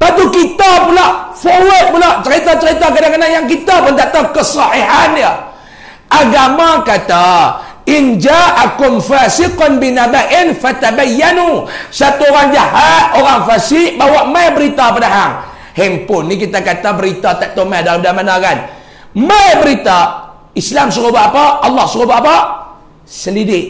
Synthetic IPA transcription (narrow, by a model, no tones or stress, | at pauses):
pat̪ukit̪apulaʔfowət̪̚pulaʔt͡ʃəɾit̪at͡ʃəɾit̪akadaŋkanaʔjaŋk̬it̪apʊnd̪at̪akəsɔhiɦanjə | ʔaɡamakat̪aind͡ʒaʔakʊmfasiqɔnbinabaʔɪnfat̪abajːanusat̪uoɾaŋd͡ʒahat̪̚oɾaŋfasɪʔbawaʔmabəɾit̪apadaɦaŋ | hɛmpʊnːikit̪akat̪abəɾit̪at̪aʔt̪omajdalamdamanakan | mabəɾit̪a | islamsəɣobaʔapaʔːlːɑhsəɣobaʔapa | səndidɪʔ̚